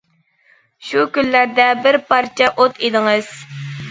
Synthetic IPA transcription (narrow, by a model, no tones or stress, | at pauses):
ʃukʲylːæɾd̪ɛbɪɾpɑɾt͡ʃʰɛʔot̪ʰid̪ɪŋɨz̥